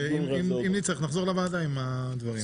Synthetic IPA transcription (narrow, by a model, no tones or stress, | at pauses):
iimimnit͡seχnaχzoʁlavaːdaima | d̪vaʁi